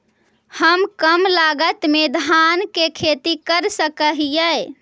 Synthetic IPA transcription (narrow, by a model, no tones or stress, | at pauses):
həmkəmlaɡət̪med̪ʱankekʰet̪ikəɾsəkəɦijəj